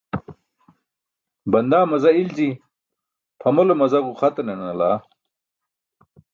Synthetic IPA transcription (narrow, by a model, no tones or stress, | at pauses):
bɐnd̪aːmɐzɐild͡ʑi | pʰɐmolomɐzɐɡuχɐt̪ɐnenɐlaː